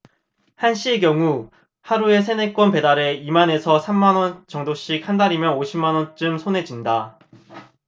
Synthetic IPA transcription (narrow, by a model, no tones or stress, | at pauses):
hanɕ͈ʰiɡjʌŋu | haɾue̞sʰe̞nek͈wʌnpe̞daɾe̞imane̞sʰʌsʰamːanwʌnt͡ɕʌŋdoɕ͈ik̚handaɾimjʌnoɕʰimːanwʌnt͡ɕ͈ɯmsʰone̞d͡ʑinda